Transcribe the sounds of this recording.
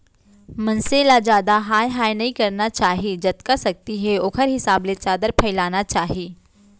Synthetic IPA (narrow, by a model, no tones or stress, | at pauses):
mɐ̃nselad͡ʒaːd̪aɦaːjɦaːjnɐɦĩkɐɾnat͡ʃaːɦid͡ʒɐt̪kasɐk̚t̪iɦɛoːkʰəɾɦɪsaːblet͡ʃaːd̪əɾpʰɐɪlaːnat͡ʃaːɦieː